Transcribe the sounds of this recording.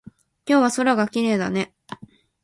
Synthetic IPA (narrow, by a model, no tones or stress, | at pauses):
kʲo̞ːβaso̞ɾaɡakʲiɾe̞ːd̪ane̞